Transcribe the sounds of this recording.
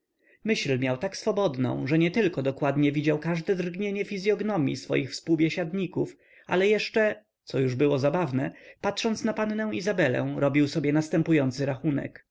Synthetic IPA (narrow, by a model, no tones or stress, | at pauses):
mɘɕlmjawt̪aksfɔbɔd̪nɔ̰̃w̃ʐɛɲɛt̪ɘlkɔd̪ɔkwad̪ɲɛvʲid͡ʑawkaʐd̪ɛd̪rɡɲeɲɛfʲizʲjɔɡnɔmʲjḭsfɔ̰jixfspuwbʲjɛɕad̪ɲikuf | ʔa̰lɛjɛʂt͡ʂɛ | t̪sɔjuʐbɘwɔzabavnɛpat̪ʂɔnt̪snapanːɛw̃izabɛlɛ̰̃w̃ɾɔbʲiwsɔbʲjɛnast̪ɛmpujɔnt̪sɘɾaxunɛ̰k